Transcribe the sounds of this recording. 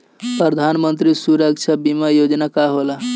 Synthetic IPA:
pɾəd̪ʱanmənt̪ɾisuɾək̚t͡ʃʰabimajod͡ʒnakaɦola

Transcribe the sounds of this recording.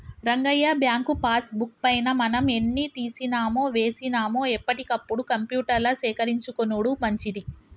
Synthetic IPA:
ɾɐŋɡɐjːaːbjaːŋkupaːsbuk̚pɐjnɐmɐnɐme̞nːit̪iːsinaːmoːʋe̞ːsinaːmoːɛpːɐʈikɐpːuɽukɐmpjuːʈɐɾlɐsɛːkɐɾiɲt͡ʃukonuɽumɐɲt͡ʃid̪i

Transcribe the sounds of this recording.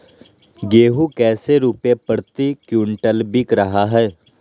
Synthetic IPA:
ɡeːɦukɛːseɾuːpepəɾt̪ikjuːɳʈəlbɪkɾəɦaɦɛː

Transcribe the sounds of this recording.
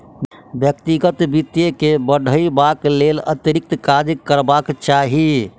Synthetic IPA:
bjəkt̪iɡət̪bit̪jekebəɖ̤ʱəibaklelət̪ɾik̚t̪kad̪əkəɾbakt͡ʃaɦi

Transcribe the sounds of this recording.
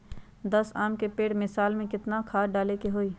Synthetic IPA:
d̪ɐsaːmkepeːʈmɪsaːlmẽkɪt̪nakʰaːɖaːlekeɦoːiː

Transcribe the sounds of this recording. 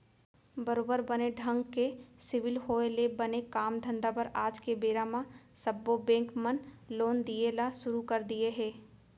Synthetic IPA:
bɐɾoːbəɾbɐneɖʱə̃ŋɡkesɪʋɪlɦoːelebɐnekaːmd̪ʱɐ̃nd̪apɐɾaːd͡ʒkebeːɾamãsɐbːobẽːŋkmənloːnd̪ieːlaʃʊɾukɐɾd̪ieɦɛ̃ː

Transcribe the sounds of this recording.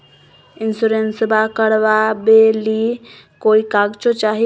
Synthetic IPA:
insuɾensbakəɽʋabeli | koikaɡt͡ʃot͡ʃaɦi

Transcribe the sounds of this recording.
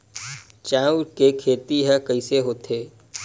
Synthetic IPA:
t͡ʃaːuɾkekʰeːt̪iɦɛ̃kəiseɦoːt̪ʰeː

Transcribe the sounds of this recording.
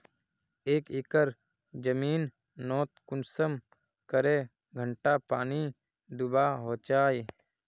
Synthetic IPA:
eːkɪkəɾ | d͡ʒəmiːn | nɔːt̪̚kʊnsəm | kəɾe | ɡʱəɳʈapaːni | d̪ʊbaːɦoːt͡ʃaːi

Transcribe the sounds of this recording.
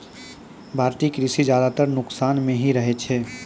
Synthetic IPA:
bʱaːɾt̪iːkɾisid͡ʒjaːd̪at̪əɾnʊksaːnmẽɦiɾɐɦet͡ʃʰeː

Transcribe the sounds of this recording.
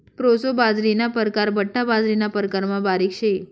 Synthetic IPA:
pɾosobad͡zɾinapəɾkaɾbəʈʰːabad͡zɾinapəɾkaɾmãbaɾikʃe

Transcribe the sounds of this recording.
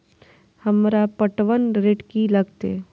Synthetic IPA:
hɐmɾapəʈʋənɾeːʈkilɐɡt̪ḛ

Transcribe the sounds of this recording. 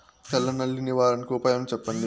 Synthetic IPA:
pɛlːɐnɐlːiniʋaːɾɐnkuːpaːjɐmt͡ʃɛpːɐnd̪i

